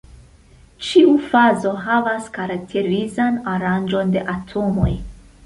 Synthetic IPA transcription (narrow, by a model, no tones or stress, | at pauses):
t͡ʃiufazo̞ɦavaskaɾak̚tʰe̞ɾizanaɾand͡ʒo̞nde̞ʔatʰo̞mo̞̰j